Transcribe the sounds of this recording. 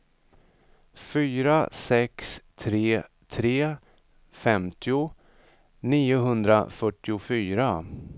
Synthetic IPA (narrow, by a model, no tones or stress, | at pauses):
fyːɾasɛkst̪ʰɾeː | t̪ʰɾeː | fɛmt̪ʰɪʊ | niːʊɦɵnd̪ɾa̰fœʈːɪʊfyːɾa